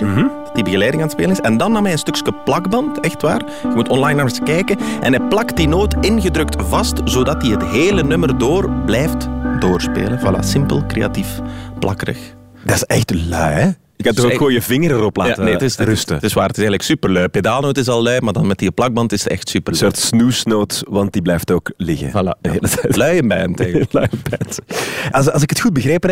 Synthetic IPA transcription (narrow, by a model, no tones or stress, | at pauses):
dibəɣəlɛːdɪŋaːnətspeːlənɪsɛndɑnːaːmɛjənstɵkskəplɑɡbɑntɛxtʋa̰ːr | xəmutɔnlajnamsəkɛjkəʔɛnɛk̚plɑkdinoːtɪnɣədɾɵk̚tvɑstzoːdɑtiɦətɦeːlənʏmərdoːrblɛjftdoːrspḛːlənvala̰ːsɪmpə̰lˠkɾḛa̰tifplʔɑ̰kəɾə̰x | d̥ɑsɛxtlœɥɛ | ɪkatɔxəʋoːnjəvɪŋəɾəɾɔplaːatənetɪsrɵstətɪsʋaːɾətɪsɛjndləksypərlœɥpedaːlˠnoːtɪs̬ɑlˠːœɥmaːrdɑnmɛt̚iplɑɡ̚bɑntɪsətɛ̰xtsypərsoːrtsnuːsnoːtʋɑnt̚diblɛjftoːklɪɣə̰vala̰əɦeːlətɛlœɥəmbɛntɛlœəbɛtsɑlsɪkətxud̚bəɣeːpən